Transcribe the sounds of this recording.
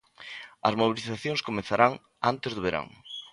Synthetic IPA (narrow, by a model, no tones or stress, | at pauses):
ɐzmoβiliθaθjõŋskomẽθaɾaŋ | ant̪ɪzðʊβeɾa̰ŋ